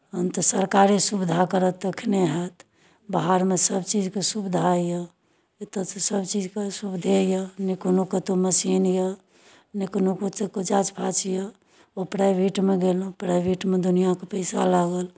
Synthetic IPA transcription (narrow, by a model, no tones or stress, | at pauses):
ɦənt̪ɔsəɾkaɾisubid̪ʱakəɾət̪əkʰneɦət̪ | baɦaɾmesəbt͡ʃid͡ʒkesubd̪ʱajə | t̪ət̪səbt͡ʃid͡ʒkesubd̪ʱejənikonokət̪oməsinjə | nikonokot̪ekod͡ʒat͡ʃpʰat͡ʃjə | opɾajbʱiʈmeɡelũpɾajbʱiʈmed̪unijakepəɪsa̰laɡəl